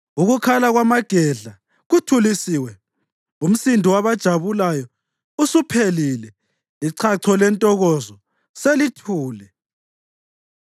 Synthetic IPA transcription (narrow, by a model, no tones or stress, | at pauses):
uɣukʰalaɣwamaɡ̥ʱɛɮa | ɣutʰulisiːwɛ | um̩sindʱiwaβad̥ʒ̥ʱaβulajɔ | usupʰelilɛ | iǀʰaǀʰɔlɛntʼɔɣɔzɔ | selitʰuːlɛ